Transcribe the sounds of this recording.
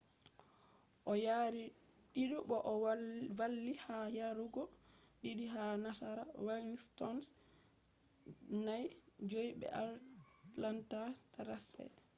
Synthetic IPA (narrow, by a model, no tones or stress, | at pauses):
ʔɔjaɾi | ɗiɗɔɓɔʔɔvalːihajaɾuɡɔ | ɗiɗiɦanasaɾawalstɔns | najd͡ʒojɓɛ̰ʔa | lantataɾasɛ̰